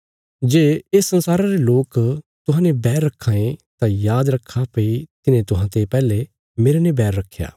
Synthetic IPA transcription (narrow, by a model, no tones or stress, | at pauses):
d͡ʒeːesːɐ̃nsaːɾaɾeloːkt̪ʊɦãːnẽbɛːɾːɐkʰːãːẽt̪ãjaːd̪ɾɐkʰːapɐit̪ɪnẽt̪ʊɦãt̪epɛːle | meːɾenẽbɛːɾːɐkʰːja̰ː